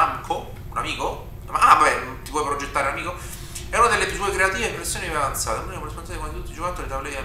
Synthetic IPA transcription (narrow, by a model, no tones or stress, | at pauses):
aŋkʰo | unamiːko | maavabɛt̪ipwɔjpɾod͡ʒet̪ːaːɾeunamiːko | ɛunad̪elːesuekɾeat̪iːveepːɾesːjoniavant̪sa̰ːt̪eunikmresponsaekomad̪it̪ut̪ːid͡ʒokat̪ːoːɾit̪avolɛa